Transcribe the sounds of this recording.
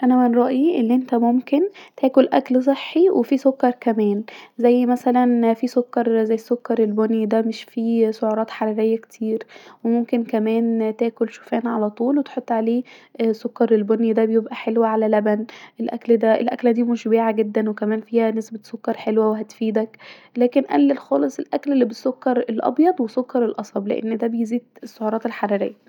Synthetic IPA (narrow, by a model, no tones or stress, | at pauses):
ʔænæmænɾˤɑːʔiʔḛnːʔent̪æmomkent̪ʰæːkolʔækls̬ˤeħːiwʔefisokːɑɾˤkæmæːnzæjːmæsælænfisokːɑɾˤzæjːesːokːɑɾˤelbonjid̪æmeʃfiʃoʕuɾˤɑːt̪ħɑɾˤiɾejːækt̪ʰiːɾwemomkenkæmæːnt̪æːkolʃo̥fæːnʕalæt̪ˤuːlwet̪ħot̪ˤːʕaleːsokːɑɾˤelbonjid̪æbejebʔæħelwæʕalælæbænʔelʔæ̰kld̪æʔḛlʔæ̰klæd̪iːmoʃbeːʕaɡed̪ːænwekæmæːnfiːhænesbet̪sokːɑɾˤħelwæweɦæt̪fiːd̪æklæːkenʔæ̰lːelxɑːlesˤelʔæklelːibesːokːɑɾˤelʔɑ̰bjɑd̪ˤwesokːɑɾˤelʔɑsˤɑblḛʔḛnːd̪æbejeziːd̪esːoʕuɾɑːt̪elħɑɾˤɑɾḛjːæ